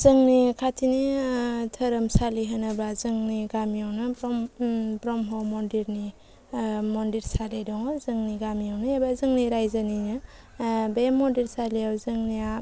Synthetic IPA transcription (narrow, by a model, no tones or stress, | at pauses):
zɯŋnikʰatʰinitʰəɾɯmsaliɦanabazɯŋniɡamijawnɯbɾɔmbɾɔmɦɔmɔndiɾni | mɔndiɾsaledɔŋɔzɯŋniɡamijawnɯebazɯŋniɾajzaninɯ | bemɔdiɾsaliawzɯŋnia